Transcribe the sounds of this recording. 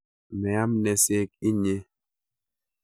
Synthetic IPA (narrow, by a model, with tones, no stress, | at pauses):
mɛ˨a˦mnɛ˨se˦k̚i˦ɲe˦